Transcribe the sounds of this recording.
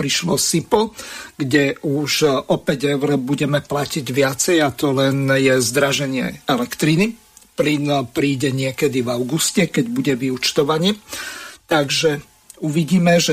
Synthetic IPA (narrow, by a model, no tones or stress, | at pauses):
pɾiʃlɔsipl̩ɡɟɛuʃʔɔpɛɟɛʊɾɔbuɟɛmɛplaciɟʋɪat͡sɛjat̪ɔlɛnjɛzd̪ɾaʒɛɲɪɛ̰ɛlɛkt̪ɾini | plinpɾiːɟɛɲɪɛkɛd̪ivaʊɡuscɛkɛɟbuɟɛʋiut͡ʃt̪ɔʋaɲit̪aɡʒɛ | uʋiɟiːmɛʒɛ